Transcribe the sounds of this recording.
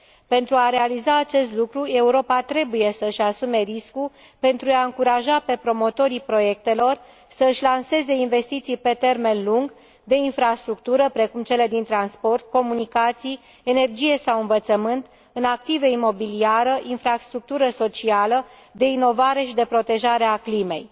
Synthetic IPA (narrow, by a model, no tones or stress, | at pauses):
pe̞nt̪ɾuaɾe̞alizaːt͡ʃe̞st̪lukɾue̞uɾo̞pat̪ɾe̞buje̞səɨʃasume̞ɾisku | pe̞nt̪ɾuaɨŋkuɾaʒape̞pɾo̞mo̞t̪o̞ɾipɾo̞je̞k̚t̪e̞lo̞r | səɨʃʲlanse̞ze̞inve̞st̪it̪sijpe̞t̪e̞rme̞nluŋɡ | d̪e̞infɾast̪ɾuk̚t̪uɾəpɾe̞kumt͡ʃe̞le̞d̪int̪ɾanspo̞rt̪̚ko̞munikat̪sij | e̞ne̞rd͡ʒije̞sawɨɱvət̪səmɨnt̪ | ɨnak̚t̪iveimo̞biliaɾəʔinfɾast̪ɾuk̚t̪uɾəso̞t͡ʃialə | d̪e̞ino̞vaɾe̞ʃid̪e̞pɾo̞t̪e̞ʒaɾe̞aklime̞j